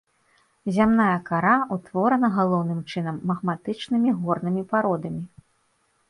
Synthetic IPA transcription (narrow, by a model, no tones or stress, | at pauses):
zʲamnajɛɐkaɾaut̪vɔɾɐnɐɣalˠɔwnɨmt͡ʂɨn̪ɐmːɐɣmat̪ɨt͡ʂnɨmʲiɣɔrnɨmʲipaɾɔd̪ɐmʲi